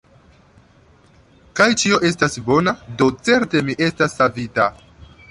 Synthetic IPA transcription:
kajt͡ʃio̞ʔe̞s̬tasbo̞nado̞t͡se̞ɾte̞miʔe̞stasːavita

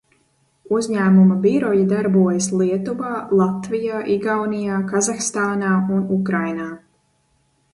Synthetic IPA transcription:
uzʲɲæːmumabiɾɔjad̪aɾbuɔjaslˠiɛt̪ubaːlˠat̪vijaːʔiɡawnijaːkazaxst̪aːnaːunukɾajnaː

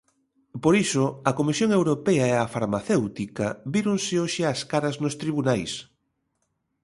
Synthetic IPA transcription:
poɾisoɐkomisjoŋewɾopɛaeafaɾmaθewt̪ikɐβiɾoŋsɪoʃɪaskaɾɐznʊst̪ɾiβunajs

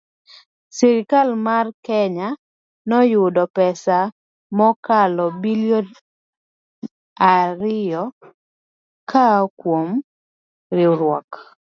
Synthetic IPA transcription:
siɾɪkalmarkɛɲa | nɔjʊdɔpɛsa | mɔkalɔbiljo | aɾɪjɔ | kʰakwom | ɾɪɾwɔk

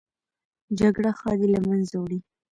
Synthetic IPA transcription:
d͡ʒaɡɽaxɑd̪ilamanzawɽi

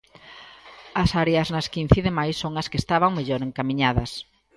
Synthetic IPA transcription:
ɐsaɾeɐznɐskin̟θiðemajsːoŋɐskest̪aβaŋmeʎoɾeŋkamĩɲaðɐs

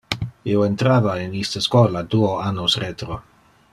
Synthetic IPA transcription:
ioent̪ɾaːvainist̪askwoːlad̪uoanːosret̪ɾo

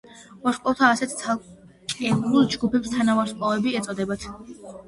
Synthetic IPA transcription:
vaɾsqʼɔvt̪ʰaːsɛt̪ʰt̪sʰalˠ | t͡ʃʼkʼɛɾulˠd͡ʒɡupʰɛpst̪ʰanavaɾsqʼɔvɛbiɛt̪sʼɔd̪ɛbat̪ʰ

